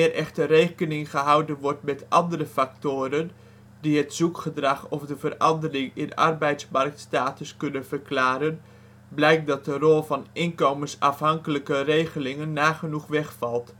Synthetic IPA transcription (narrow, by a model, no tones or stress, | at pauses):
ɪːrʔɛxtərejkənɪŋχəɦawdənʋɔrtmɛtʔɑndərəfak̚toːɾən | diɦətzukχədrɑχɔfdəvərɑndərɪŋɪnɑ̰rbɛjtsmɑrk̚tstaːtəskɵnənv̥ərklaːɾən | blɛjk̚dɑt̚dərɔlˠvɑnʔɪnkowmənsɑfɦɑŋkələkərejχəlɪŋənːaːχənuχʋɛχfɑlˠt